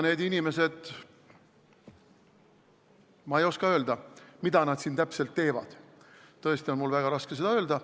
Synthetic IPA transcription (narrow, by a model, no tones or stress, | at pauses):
ne̞ːd̪inʲime̞se̞d̪̥ | mɑejo̞skɑø̞ːld̪̥ɑmid̪̥ɑnɑd̪̥siːnt̪æpse̞lt̪ːe̞ːvɑ̰d̥̪ | ɤ̞e̞st̪ionmulvæɡ̥ɑɾɑske̞s̬e̞d̪ɑø̞ːld̪ɑ